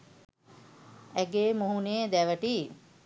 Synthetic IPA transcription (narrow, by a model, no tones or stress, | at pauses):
æɡeːmuɦuneːd̪æʋəʈiː